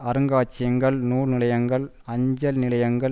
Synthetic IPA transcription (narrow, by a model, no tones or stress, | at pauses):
ɐɾɯŋɡaːt͡ʃːɪjɐŋɡɐɭnuːrnɪlɐjɐŋɡɐɭ | ɐɲd͡ʒɐlnɪlɐjɐŋɡɐɭ